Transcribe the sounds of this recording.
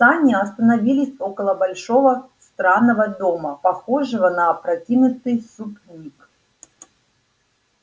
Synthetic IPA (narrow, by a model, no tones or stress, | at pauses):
sanʲɪɐst̪ənɐvʲilʲɪsʲokəlˠəbɐlʲʂo̞və | st̪ɾanːəvəd̪o̞məpɐxo̞ʐɨvənɐːpɾɐtʲinʊt̪ɨjsupnʲik